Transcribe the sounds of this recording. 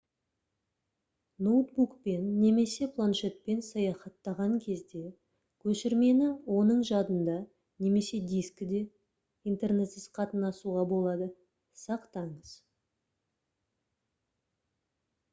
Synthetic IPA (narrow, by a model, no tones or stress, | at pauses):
nowt̪̚bukpe̞nːe̞me̞se̞pʰlˠanʃe̞t̪̚pe̞nsɑjɑχɑt̪ːɑʁɑŋkʲʰe̞zd̪e̞ | kʲʰɵʃɪɾme̞nɪwo̞nəɴʒɑd̪ənd̪ɑ | ne̞me̞se̞d̪ijskʲɪd̪e̞ | ijnt̪e̞rne̞t̪sɪzqʰɑt̪ənɑsuʁɑbo̞lˠɑd̪ə | sɑqt̪ɑɴəz̥